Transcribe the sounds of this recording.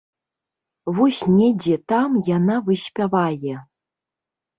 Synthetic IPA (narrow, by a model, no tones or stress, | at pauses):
vusʲnʲedʲet̪amjanavɨɕʲpʲavaje